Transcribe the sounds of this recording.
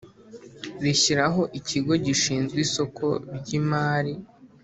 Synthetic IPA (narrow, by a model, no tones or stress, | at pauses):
ɾiçiɾaɦo̞ʔiciɡo̞ɟiʃiːnzɡiːso̞ko̞ɾɟimaːɾi